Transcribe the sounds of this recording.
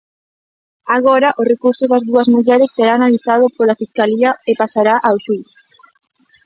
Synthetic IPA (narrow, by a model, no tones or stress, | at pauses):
aɣ̞oɾɐʔorekuɾsoðazðuɐzmuʎɛɾesːeɾaːnaliθað̞ʊpolafiskaliɐepasaɾaʔawʃuθ